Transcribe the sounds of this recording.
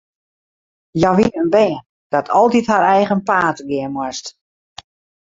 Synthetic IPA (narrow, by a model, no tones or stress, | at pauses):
jaʋiəənbɛː | d̥ɔtʰɔlˠtithaɾɛjɣənpaːtɡɪəmwɔst